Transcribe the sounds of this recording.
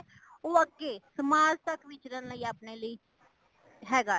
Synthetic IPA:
oːəɡːeːsəmaːzt̪əkʰʋɪt͡ʃɾənləiːaːpneːləiː | ɦɛːɡaː

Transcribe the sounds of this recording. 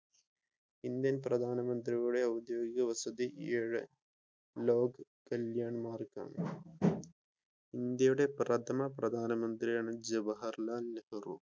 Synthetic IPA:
ind̪jɐnprɐd̪ʱaːnɐmɐnd̪riuɽeɐwd̪joːɡiɡɐʋɐsɐd̪iʔeːɻɨ | loːɡkɐljaːɳmaːrka̰ːnɨ | ind̪jɐjuɽe̞prɐt̪ʰɐmɐprɐd̪ʱaːnɐmɐnd̪rijaːɳɨd͡ʑɐʋɐɦɐrlaːlnehɐrṵ

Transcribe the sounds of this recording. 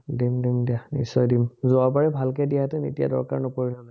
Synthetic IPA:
dimdimdianḭsɔjdimzoabaɹɛbʱalkɛdijatɛnḛtija̰dɔɹka̰ɹnɔpoɹinanɛ

